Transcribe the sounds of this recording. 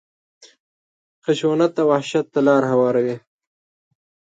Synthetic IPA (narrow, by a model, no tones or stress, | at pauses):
xaʃwonat̪ːawahʃat̪ːalɑːɾhawɑːɾawi